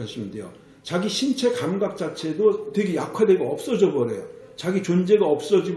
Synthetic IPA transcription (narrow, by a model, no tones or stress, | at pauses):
aɕʰimindejo̰ | t͡ɕaɡiɕʰint͡ɕʰe̞kamɡak̚t͡ɕ͈at͡ɕʰe̞dotwe̞ɡe̞jakʰwade̞ɡeʌp̚s͈ʌd͡ʑʌbʌɾe̞̰jo̰t͡ɕaɡit͡ɕond͡ʑe̞ɡaʌp̚s͈ʌd͡ʑi